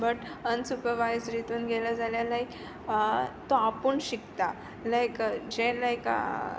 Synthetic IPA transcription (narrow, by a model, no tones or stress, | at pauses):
bəʈənsupəʋajd͡zɾit̪uːnɡelad͡zaljalaik | t̪oapəːɳɕikt̪a | ləjkd͡ʑeləjka̰